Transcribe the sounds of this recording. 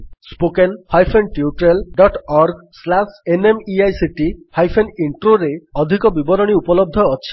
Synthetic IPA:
spokenhajpʰenʈiuʈɾelɖɔʈɔɾɡslasenemiajsiʈihajpʰeniɳʈɾoɾeɔd̪ʱikɔbibɔɾɔɽ̃iupɔlɔb̚d̪ʱɔɔt͡ʃʰi̥

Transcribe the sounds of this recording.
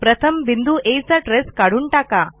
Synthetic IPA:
pɾɐt̪ʰɐmbind̪uʔejsaʈɾeskaɽuɳʈaːka

